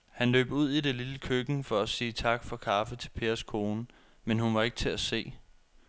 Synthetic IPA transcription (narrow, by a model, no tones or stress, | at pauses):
hænlø̰ːb̥uð̞̰ˠide̝liləkʰøɡ̥n̩fɒ̽æsiːt͡sʰɑ̈ɡ̥fɒ̽kʰɑ̈fət͡sʰe̝lpʰe̝ːɐskʰo̝ːnə | menhunʋɑ̈e̝ɡ̥̚t͡sʰe̝æse̝̰ː